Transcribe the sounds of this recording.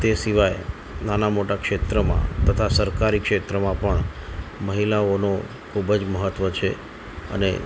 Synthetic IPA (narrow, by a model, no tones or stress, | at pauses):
t̪esiʋaj | nanamoʈakʂet̪ɾəmã̰t̪ət̪ʰasəɾkaɾikʃet̪ɾəmãpəɳməɦilaono | kʰubd͡ʒməɦət̪ʋət͡ʃʰe | ə̰nḛ